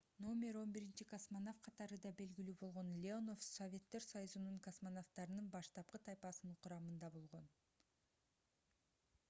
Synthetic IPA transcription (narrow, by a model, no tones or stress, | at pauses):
no̞mʲe̞ɾo̞nbiɾint͡ʃikosmanofqʰɑt̪ɑɾɯd̪ɑbe̞lɡʲilyːbo̞lˠʁo̞nlʲeono̞fsovʲe̞t̪ːe̞ɾsɑjuzunuɴkosmanoft̪ɑɾɯnɯnbɑʃt̪ɑp̚qɯt̪ʰɑjpɑsɯnɴqʰuɾɑmɯnd̪ɑbo̞lˠʁo̞n